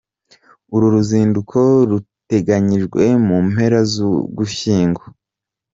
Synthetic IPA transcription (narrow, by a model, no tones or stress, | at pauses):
uɾuɾuziːndukʰo̞ɾute̞ɡaɲiʒɡwe̞mume̞ɾazṵɡuçiːŋɡwo